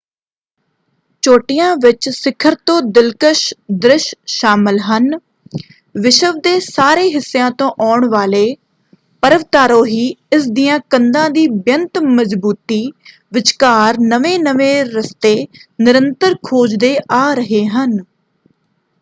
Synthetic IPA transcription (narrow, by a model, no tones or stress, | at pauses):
t͡ʃoːʈɪjãːʋɪt͡ʃsɪkʰəɾt̪õːd̪ɪlkəʃd̪ɾɪʃʃaːmɪlɦən | ʋɪʃəʋd̪eːsaːɾeːɦɪsːejãːt̪õːʔaːɳʋaːleː | pəɾəʋt̪aːɾõːɦiːɪsd̪ɪjãːkənd̪ãːd̪iːbjənt̪məzbuːt̪iː | ʋɪt͡ʃkaːɾnəʋeːnəʋeːɾəst̪eːnɪɾənt̪əɾkʰoːd͡ʒd̪eːʔaːɾəɦeːɦən